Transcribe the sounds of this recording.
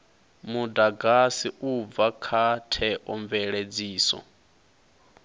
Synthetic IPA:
mudaɡasiʔub̪vakʰatʰɛʔɔɱvɛɺed͡ziːsɔ̰

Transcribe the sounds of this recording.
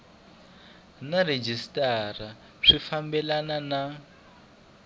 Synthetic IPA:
nared͡ʒistʼara | ʂifambɛlanana

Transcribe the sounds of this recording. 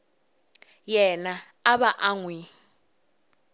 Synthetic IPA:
jɛnaː | ɓaʔaŋwi

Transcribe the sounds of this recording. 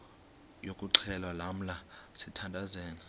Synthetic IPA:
jokʼuǀʰɛlwalam̩lasitʰandʱazɛːna

